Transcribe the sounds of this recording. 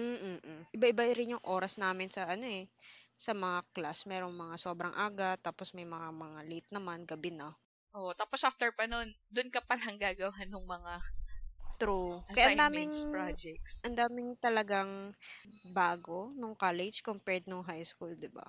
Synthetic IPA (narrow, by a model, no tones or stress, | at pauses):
m̩ːʔ̩ʔɪbaʔɪbaʔɪɾɪnjʊŋʔo̞ːɾɐsnaːmɪnsɐʔɐno̞ɛsɐmɐŋaklasmɛːɾoŋmɐŋaso̞ːbɾɐŋʔaːɡɐt̪ːaːposmɐjmɐŋamɐŋalit̪̚nɐmanɡɐbɪnɐ | ʔoʔt̪aːposʔaft̪ɛɹpɐnond̪ʊnkɐpɐlɦɐŋɡaːɡɐwɐanʊŋmɐŋa | t̪ɾukɐjaʔnd̪aːmɪŋad͡ʒɛk̚sʔɐnd̪aːmɪŋt̪ɐlɐɡaŋ | baːɡo̞noŋkaːlɛd͡ʒkompɛɹd̪̚noŋɦajskuld̪ɪba̰